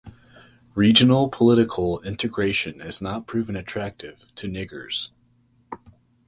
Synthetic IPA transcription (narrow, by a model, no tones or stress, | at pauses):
ɹid͡ʒɨnl̩ˠpʰəlɪɾɨkʰl̩ˠɪ̃ntʰɨɡɹeɪʃɨ̃nɪznət̚pʰɹ̥ʉvɨ̃nɨtʰɹ̥æk̚tɪv̥tʰɨnɪɡə̰˞z̥